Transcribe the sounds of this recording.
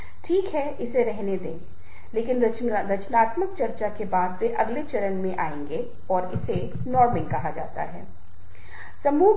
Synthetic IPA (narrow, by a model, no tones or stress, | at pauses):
ʈʰiːkɦɛʔɪseɾɛɦned̪ẽː | leːkɪnɾɐt͡ʃɾɐt͡ʃnaːt̪məkt͡ʃɐɾt͡ʃakebaːd̪ʋeʔɐɡlet͡ʃɐɾənmẽʔaːẽːŋɡe | ɔːɾɪse | nɔːɾmɪ̃ŋɡkɐɦad͡ʒa̰ːt̪a̰ɦɛ̰ː | sɐmuː